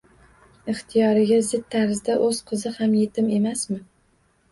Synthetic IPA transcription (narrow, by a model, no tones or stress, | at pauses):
ɪχt̪ʰijɒɾɪɡʲazɪd̪̚ʰːaɾzd̪aʔɵz̥qʰɨzɪhamje̞t̪ʰɪme̞masmɪ